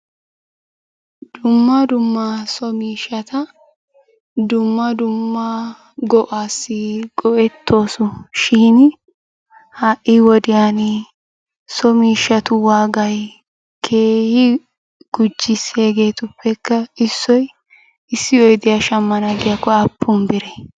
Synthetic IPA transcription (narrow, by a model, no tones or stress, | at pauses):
d̪̥ʊmːɐd̪ʊmːaːsɔmiːʃɐt̪ɐ | d̪ʊmːɐd̪ʊmːa | ɡɔʔaːsːɪɡɔʔɛt̪ʰːo̞ːsʊʃiːn | haʔiwɔd̪ɪjaːn | sɔmiːʃːɐt̪ʊwaːɡɐj | kʰe̞ːhɪ | ɡ̥ʊd͡ʒːɪseːɡe̞ːt̪ʊpːɛkːɐɪsːɔj | ɪsːɪɔjd̪ɪjaʃɐmːɐnaɡɪjakːɔɐpːʊmbɪɾɛ